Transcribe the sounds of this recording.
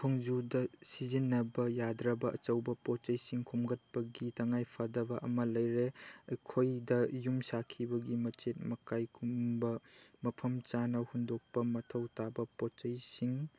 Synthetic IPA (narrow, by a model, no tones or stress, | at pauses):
pʰɔŋd͡ʒudɐsizinːɐbɐjadɾɐbɐʔɐ̰t͡ʃɐwbɐpɔt͡ʃɐjsiŋkʰumɡɐt̚pɐɡitɐŋajpʰadɐbɐʔɐmɐlɐjɾeɐjkʰojdɐjumsakʰibɐɡimɐt͡ʃet̚mɐkajkʰumbɐmɐpʰɐmt͡ʃanɐhundok̚pɐmɐtʰɐwtabɐpɔt͡ʃɐjsiŋ